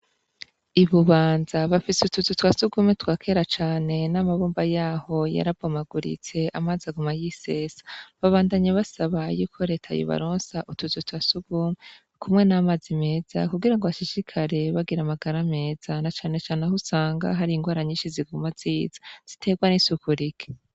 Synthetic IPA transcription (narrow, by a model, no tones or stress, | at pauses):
iβuβaːnzaβafisutuzutwasuɡuːmetwaːkʰe̞ɾat͡ʃaːne̞namaβuːmbajaːho̞ja̰ɾabɡomaɡuɾḭt͡se̞ʔamaːzaɡumajiseːsḁβaβaːndaɲeβasaβajuːkʰo̞ɾe̞ːtʰa̰jo̰βa̰ɾoːnsaʔutuzutwasuɡ̥uːme | kʰumŋe̞namazime̞ːz̥a̰kuɡiɾaŋɡoβaʃiʃikʰaɾe̞βaɡiɾamaɡaɾame̞ːz̥anat͡ʃaːne̞t͡ʃaːnehusaːŋɡa̰ɦaɾiŋɡwaːɾaɲiːʃiziɡumaziːz̥ḁz̥itʰe̞ɡwanisukuɾike̥